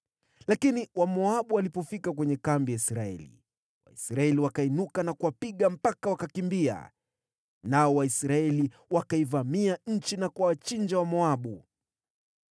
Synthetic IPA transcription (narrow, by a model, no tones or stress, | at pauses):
lakiniwamɔaɓualipɔfikakwɛɲɛkambijaisɾaɛ̰lḭ | wa̰isɾaɛliwakainukanakuwapiɠam̩pakawakakimbia̰ | naɔwaisɾaɛli | wakaivamiaɲ̩t͡ʃinakwawat͡ʃind͡ʒawamɔaɓu